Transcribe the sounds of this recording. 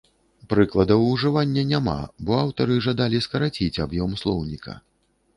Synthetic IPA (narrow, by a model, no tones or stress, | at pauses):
pɾɨklˠɐd̪ɐwuʐɨvanʲːɐnʲama̰bɔawt̪ɐɾɨʐad̪alʲiskɐɾat͡sʲit͡sʲabjɔmslˠɔwnʲikɐ̰